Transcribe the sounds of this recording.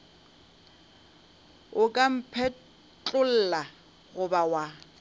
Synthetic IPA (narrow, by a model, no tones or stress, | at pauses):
ʊkʼam̩pʰɛ | t͡ɬʼʊl̩la | ɣʊbawa